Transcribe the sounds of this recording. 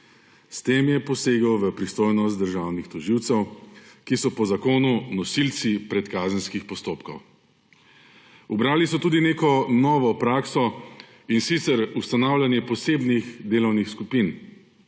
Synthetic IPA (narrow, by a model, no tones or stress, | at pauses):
st̪eːmjɛpɔseːɡəwʋəpɾist̪oːjnɔst̪̚d̪əɾʒaːwnixt̪ɔʒiwt̪sɛwkisɔpɔzakoːnunɔsilt̪sipɾɛt̪kaːzənskixpɔst̪oːpkɔw | ubɾaːlisɔt̪uːd̪ineːkɔnɔːʋɔpɾaːksɔ | insit̪sɛɾust̪anaːwlʲjanjɛpɔseːbnixd̪eːlɔwnixskupin